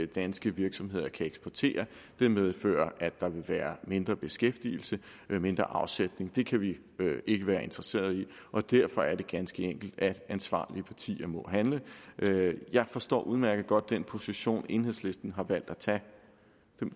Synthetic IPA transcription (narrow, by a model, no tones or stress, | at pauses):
d̥ænsɡ̥əʋiɐɡ̥sɒ̽mɦe̝ð̰ˠɐkʰæeɡ̥sb̥ɒt͡sʰe̝̰ːɐ | d̥eɐmeð̞ˠfø̰ːɐʔæd̥ɑ̈ʋe̝ʋæːɐme̝nd̥ʁɐb̥e̝sɡ̥efd̥il̩sə | me̝nd̥ʁɐ̰ʔɑ̈ʊsed̥ne̝ŋd̥e̝kʰæʋi | ʔe̝ɡ̥əʋæːɐe̝nd̥ʁɐse̝̰ːɐð̞ˠi | ʔɒ̽d̥æɐfɒ̽æɐɾe̝ɡ̥ænsɡ̥əeŋ̰ɡ̥l̩d̥æ̥ænsʋɑ̰̈ːliəpʰɑ̈t͡sʰḭːɐmɒ̽ɦænləʔjɑ̈ɪfɒ̽sd̥ɒ̰ːʔuðˠmæɐɡ̥əð̩ˠɡ̥ɒ̽d̥̚ːenpʰo̝siɕo̝̰ːne̝ːnɦesle̝sd̥n̩ɦɑ̈ʋæl̰d̥æt͡sʰɛ̥